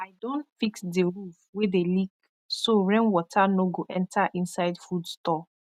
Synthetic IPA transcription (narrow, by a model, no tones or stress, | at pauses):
aɪdɔ̃ntfiksdeɹufwedelik̚ | soɹɛ̃nwɔtʰanoɡoʔɛ̃ntʰaʔĩnsaɪdfudstɔ